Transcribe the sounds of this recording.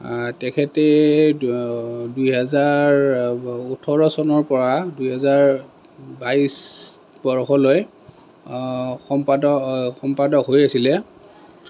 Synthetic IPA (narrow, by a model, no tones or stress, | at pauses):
tɛkʰɛtɛ | dujɦɛzaɹ | utʰɔɹɔsɔnɔɹpɔɹadujɦɛzaɹ | bais | bɔɹɔxɔloj | xɔmpadɔxɔmpadɔkɦojasilɛ